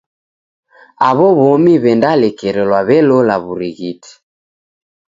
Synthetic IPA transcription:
aβɔβɔmiβɛndalɛkɛɾɛlwaβɛlɔlaβuɾiɣiti̥

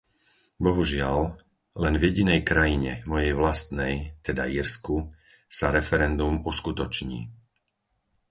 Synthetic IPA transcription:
bɔɦuʒɪal | lɛnvjɛɟinɛjkɾajiɲɛ̰mɔjɛjʋlast̪nɛjt̪ɛd̪a̰iːɾsku | saɾɛfɛɾɛnd̪umuskut̪ɔt͡ʃɲḭː

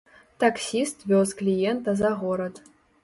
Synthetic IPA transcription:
t̪aksʲist̪vʲosklʲijent̪azaɣoɾət̪

